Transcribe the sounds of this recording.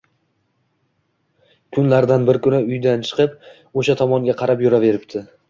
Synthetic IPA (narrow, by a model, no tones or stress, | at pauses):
kʰʊnlaɾd̪anbɪɾkʰʲʊnɪʊjd̪ant͡ʃʰɨ̥qɨp̚ | oʃat̪ʰɒmɒŋɡʲaqʰɑɾapjʊɾave̞ɾɪp̚t̪ʰɪ